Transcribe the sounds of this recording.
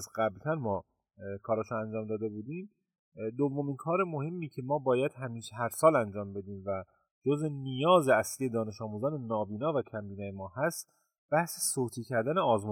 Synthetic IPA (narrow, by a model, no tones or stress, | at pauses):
zɢæblt̪ʰænmɒː | kʰɒːɾɒːʃunænd͡ʒɒːmd̪ɒːd̪e̞buːd̪iːm | d̪ovːominkʰɒːɾe̞mohe̞mːiːcʰe̞mɒːbɒːjæd̪hæmiːʃeɦæɾsɒːlænd͡ʒɒːmbe̞d̪iːmvæ | d͡ʒozenijɒːze̞æsliːje̞d̪ɒːne̞ʃɒːmuːzɒːnenɒːbiːnɒːvæcʰæmbiːnɒːjemɒːhæst̪ | b̥æhsesoːt̪ʰiːcʰæɾd̪æneɒːzmu